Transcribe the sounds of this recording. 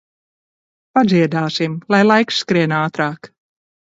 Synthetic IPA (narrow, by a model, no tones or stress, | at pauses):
pad̪ziɛd̪aːsimlˠajlˠajksːkɾiɛnaːt̪ɾaːk